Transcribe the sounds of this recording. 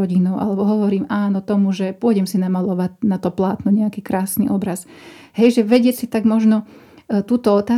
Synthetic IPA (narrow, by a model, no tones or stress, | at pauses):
ɔɟinɔʊʔa̰lɛbɔɦɔʋɔɾiːmaːnɔt̪ɔmuʒɛpʊɔɟɛmsinamalɔʋatnat̪ɔplaːt̪nɔɲɛakiːkɾaːsnḭːʔɔbɾas | ɦɛjʒɛʋɛɟɪɛcsit̪aɡmɔʒnɔ | t̪uːt̪ɔɔt̪aː